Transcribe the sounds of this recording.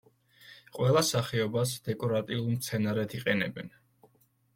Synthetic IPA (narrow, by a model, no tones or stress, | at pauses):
qʼwɛlˠasaχɛɔbasd̪̥ɛkʼɔɾat̪ʼiulˠmt̪sʰɛnaɾɛt̪ʰiqʼɛnɛ̰bɛ̰n